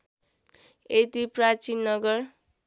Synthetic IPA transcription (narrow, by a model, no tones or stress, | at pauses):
et̪iprat͡sinːʌɡʌr